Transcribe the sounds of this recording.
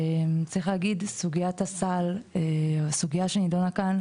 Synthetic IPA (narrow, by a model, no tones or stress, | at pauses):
mt͡sʁiχlæːɡidsuɡiat̪asaleosuɡiaʃenidonakan